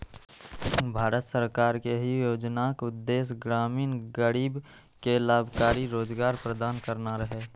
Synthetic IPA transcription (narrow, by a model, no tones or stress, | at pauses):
bʱaːɾət̪səɾkaːɾkeɦijoːd͡ʒnakʊd̪ːeːsɡɾaːmiːnɡəɾiːb | kelaːbʱkaːɾiɾoːd͡ʒɡaːɾpɾəd̪aːnkəɾnaɾəɦeː